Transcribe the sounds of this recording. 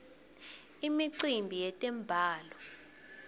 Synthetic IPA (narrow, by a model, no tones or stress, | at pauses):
imiǀimbʱijɛtʼɛmbʱaːlɔ